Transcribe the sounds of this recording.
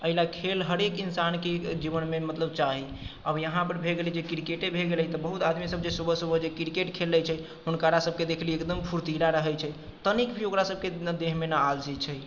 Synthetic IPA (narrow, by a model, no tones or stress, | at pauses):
əɦilakʰelɦəɾekinsanked͡ʒiβənmemət̪ləb̚t͡ʃaɦiəbjəɦãpəɾbʱeɡelid͡ʒekiɾkeʈebʱeɡelɛt̪ɔbəɦut̪ad̪misəb̚d͡ʒesubʱəsubʱəd͡ʒekiɾkeʈkʰelːɛt͡ʃʰɛ | ɦunkaɾasəb̚ked̪ekʰleekd̪əmpʰuɾt̪iɾaɾəɦɛt͡ʃʰɛ | t̪ənikbʱioɡɾasəb̚ʱked̪eɦmenaːld͡ʒit͡ʃʰɛ